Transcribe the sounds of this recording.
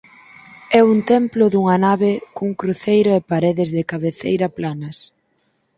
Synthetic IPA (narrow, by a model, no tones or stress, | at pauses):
ɛunt̪ɛmplʊðuŋɐnaβɪkuŋkɾuθejɾʊepaɾeðɪzðɪkaβeθḛjɾɐplanɐs